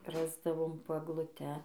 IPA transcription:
ˈrɑːzdɐʋoːm poː ɛɡlˠʊˈtʲɛ

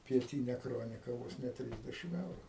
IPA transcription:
pʲiɛˈtʲiːnʲɛ ˈkroːnʲɪkɐ ˈʋoːs nʲɛ ˈtʲrʲiːzʲdʲɛʃʲɪm ˈɛʊrʊ

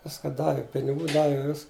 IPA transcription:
ˈʋʲɪskɐ ˈdɑːʋʲɪ pʲɪnʲɪˈɡuː ˈdɑːʋʲɪ ʋʲɪs

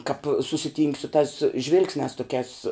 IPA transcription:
kɐp sʊsʲɪˈtʲiːŋʲkʲ sʊ tɑːs ˈʒʲʋʲɪlˠksʲnʲæːs toːˈkʲæːs

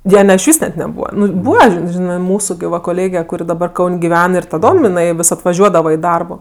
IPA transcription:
ˈjoː nʲɛ ɪʃʲˈʋʲiːs nʲɛt nʲɛˈbuːʋɐ ˈnʊ ˈbuːʋɐ ʒʲɪ ˈʒʲɪnɜ ˈmuːsʊ ɡʲɪ ˈʋɐ koːˈlʲeːɡʲɛ kʊˈrʲɪ dɐˈbɐr ˈkɐʊnʲ ɡʲɪˈʋʲɛn ɪr tɐˈdoːm ɪˈnɐɪ ʋʲɪs ɐtʋɐˈʒʲuɔdɐʋɐ ɪ ˈdɐrboː

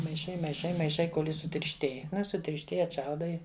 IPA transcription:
mɐɪˈʃɐɪ mɐɪˈʃɐɪ mɐɪˈʃɐɪ ˈkoːlʲ ˈjɪs sʊtʲɪrʲʃʲˈtʲeːj ˈnʊ ɪ sʊtʲɪrʲʃʲˈtʲeːj ɐtˈʃɐlˠdɐɪ

